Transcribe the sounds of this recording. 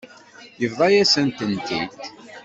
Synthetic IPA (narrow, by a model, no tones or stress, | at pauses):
jəvðˤɑjæsənt̪ənt̪ḭt̪